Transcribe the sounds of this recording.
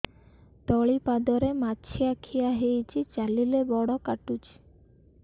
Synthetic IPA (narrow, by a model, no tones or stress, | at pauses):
t̪ɔɭipad̪ɔɾemat͡ʃʰijakʰijaɦejt͡ʃʰit͡ʃalilebɔɽɔkaʈut͡ʃʰ